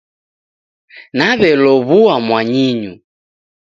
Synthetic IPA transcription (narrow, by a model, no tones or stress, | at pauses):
naβɛlɔβuamwaɲiɲu